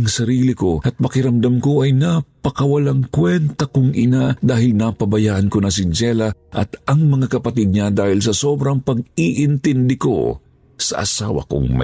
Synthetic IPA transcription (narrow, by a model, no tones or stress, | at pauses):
ŋsɐɾiːlɪko̞ʔɐt̪̚pɐkɪɾɐmd̪amko̞ʔɐjnapɐkɐwɐlaŋkwɛnt̪ɐkʊŋʔɪnad̪aːhɪlnɐpɐbɐjaːʔɐnkonɐs̬ɪnd͡ʒɛlɐʔɐ̰t̪ɐŋmɐŋakɐpɐt̪ɪd̪̚ɲad̪aːhɪlsɐso̞ːbɾɐŋpɐɡ̚iʔɪnt̪ɪnd̪ɪko̰ | sɐ̰ʔɐ̰sa̰ːwɐ̰ko̰ŋmɐ̰